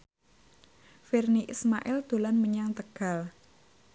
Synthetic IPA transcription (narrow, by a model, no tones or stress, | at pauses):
firniʔismaʔɪld̪̥o̤lanməɲaŋt̪əɡ̥a̤l